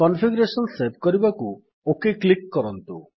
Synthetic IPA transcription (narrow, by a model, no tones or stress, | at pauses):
kɔnpʰiɡɔɾesɔnsep̚kɔɾibaku | okeklikːɔɾɔnt̪u